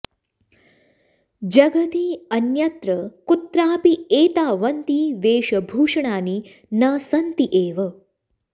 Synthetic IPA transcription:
d͡ʒɐɡɐt̪iɐnjɐt̪ɾɐkut̪ɾaːpieːt̪aːʋɐnt̪iːʋeːʃɐbʱuːʂɐɳ̃aːni | nɐːsɐnt̪iʔeːʋɐ

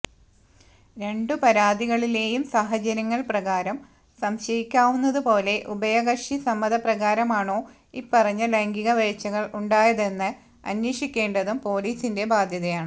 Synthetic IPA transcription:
ɾe̞ɳɖɨpɐɾaːd̪iɣɐɭile̞ːjumsaːɦɐt͡ɕɐɾɐŋːɐɭprɐɣaːɾɐm | sɐmɕɐjikʲːaːʋunːɐðupo̞ːle̞ʔubɐjɐɣɐʂisɐmːɐðɐprɐɣaːɾɐmaːɳo̞ː | ipːɐrɐɲːɐlɐŋɡiɣɐʋɐjt͡ɕːɐɣɐɭuɳɖaːjɐðe̞nːɨ | ɐ̰nwiːʂikʲːe̞ːɳɖɐðumpo̞ːliːsinde̞baːd̪ʱjɐðɐjaːɳɨ

